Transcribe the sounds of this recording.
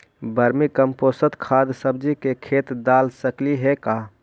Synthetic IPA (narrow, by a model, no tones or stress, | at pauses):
bəɾmikəmposət̪kʰad̪səbd͡ʒikekʰet̪d̪alsəkliɦeka